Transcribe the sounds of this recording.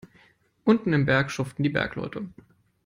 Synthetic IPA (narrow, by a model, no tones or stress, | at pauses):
ʔʊntn̩ɪmbɛɐkʃʊftn̩diːbɛ̰ɐklɔ̰ʏtʰə